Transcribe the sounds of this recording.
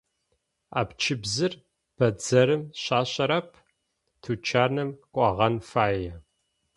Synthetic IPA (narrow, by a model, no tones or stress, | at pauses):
a̰ːpt͡ʃʰɪbzɨr | b̥ɐd͡zɐɾɨmɕaːɕʼɐɾɐpʰ | tʰut͡ʃʰaːnɐmkʷʼɑʁɐnfaːjɛ